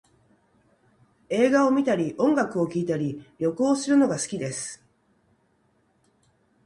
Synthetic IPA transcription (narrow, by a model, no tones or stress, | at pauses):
e̞ːɡao̞mʲit̪aɾʲiʔõ̞ŋɡakɯ̟o̞kʲiːt̪aɾʲiɾʲjo̞koːsɨɾɯ̟no̞ɡasɨ̥kʲid̪e̞sɨ̥